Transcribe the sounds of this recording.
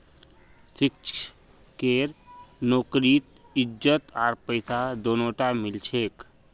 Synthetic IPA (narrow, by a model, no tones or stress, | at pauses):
sɪkt͡ʃʰ | keːɾnoːkɾit̪ | ɪd͡ʒət̪aːɾpəɪsad̪oːnõʈamɪlt͡ʃʰeːk